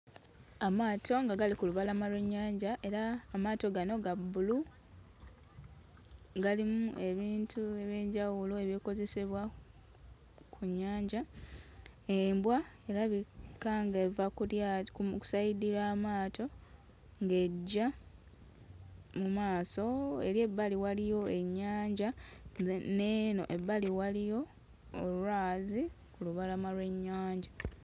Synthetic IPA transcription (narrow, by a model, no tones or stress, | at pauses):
amaːtʰo̞ŋɡaɡalikuluβalamalweɲːaːɲɟaʔe̞ɾaːmaːto̞ɡano̞ɡabulu | ɡalimue̞βiːntʰue̞βje̞ːɲɟawuloe̞βjeko̞ze̞se̞βwa | kʰuɲːaːɲɟa | eːmbwaeɾaβikaŋɡevakujaku̥sajidiɾaːmaːto̞ | ŋɡe̞ɟːa | mumaːso̞e̞ɾje̞bːaliwalijo̞e̞ɲːaːɲɟa | neːno̞̰ʔebːaliwalijo̞ | olwaːzi | kuluβalamalwe̞ɲːaːɲɟa